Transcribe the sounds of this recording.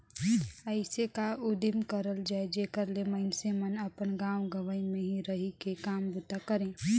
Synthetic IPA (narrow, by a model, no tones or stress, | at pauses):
əɪsekaʊd̪ɪmkəɾəld͡ʒaːed͡ʒeːkəɾleməɪnsemənəpənɡaːwɡəʋəĩmẽɦiɾəɦikekaːmbʊt̪akəɾẽː